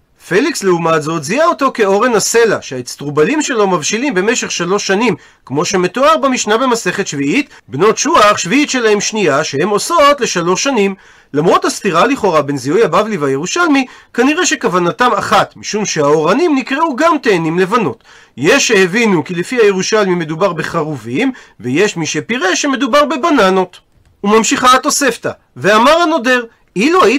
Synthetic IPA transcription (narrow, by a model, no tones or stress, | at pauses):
feliksleumatzo̞tziaotoke̞o̞ʁe̞nase̞laʃeaet͡st̪ʁubalimʃe̞lo̞mavʃilimbe̞meʃe̞χʃalo̞ʃːanim | kmo̞ʃe̞me̞to̞aʁbamiʃnabe̞mase̞χe̞tʃviit | bno̞tʃuaχʃviitʃe̞lahe̞mʃnijaʃehe̞mo̞so̞tle̞ʃalo̞ʃːanim | lamʁo̞thast̪iʁaliχo̞ʁabe̞nziujabavlivaje̞ʁuʃalmikaniʁe̞ʃe̞kavanatamaχat̪miʃumʃeaoʁanimnikʁeuɡamt̪e̞ːnimle̞vano̞t | jeʃehevinukilefiajeʁuʃalmime̞dubaʁbeχaʁuvimveje̞ʃmiʃepiʁe̞ʃe̞me̞dubaʁbe̞banano̞t̪ | umamʃiχaːt̪o̞se̞ft̪a | veamaʁano̞de̞ʁ | iluaji